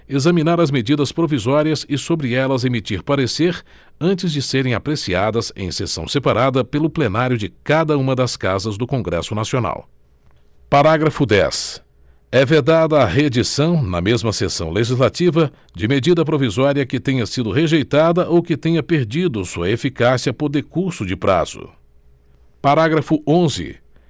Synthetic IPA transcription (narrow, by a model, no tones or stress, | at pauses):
ezɐmĩnaɾɐzmed͡ʒid̪ɐspɾovizɔɾiɐzɪsobɾɪɛlɐzemit͡ʃiɾpaɾeseɾ | ɐ̃nt͡ʃɪzd͡ʒɪseɾẽj̃apɾesiad̪ɐzḛ̃j̃sḛsɐ̃w̃sepaɾad̪ɐpelʊplenaɾjʊd͡ʒɪkad̪ɐũmɐd̪ɐskazɐzd̪ʊkõɡɾɛ̰sʊnasiona̰w | paɾaɡɾɐfʊd̪ɛ̰s | ɛved̪ad̪ɐːɦed͡ʒisɐ̃w̃nɐ̰mezmɐsesɐ̰̃w̃leʒizlat͡ʃivɐ | d͡ʒɪmed͡ʒid̪ɐpɾovizɔɾiɐkɪt̪ẽɲɐsid̪ʊɦeʒejt̪ad̪ɐʔowkɪt̪ẽɲɐpeɾd͡ʒid̪ʊsuɐefikasiɐpoɾd̪ekuɾsʊd͡ʒɪpɾa̰z̥ʊ̰ | paɾaɡɾɐfʊõzɪ̰